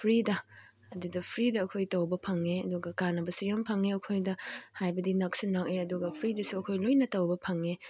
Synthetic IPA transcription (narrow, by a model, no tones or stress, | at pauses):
pʰɾidɐː | dudɐpʰɾidɐːkʰojtɐwbɐpʰɐŋeɐduɡɐkanɐbɐsujampʰɐŋeɐkʰojdɐhajbɐdinɐk̚sinɾaŋeɐduɡɐpʰɾidɐsuɐkʰojlojnɐtɐwbɐpʰɐŋe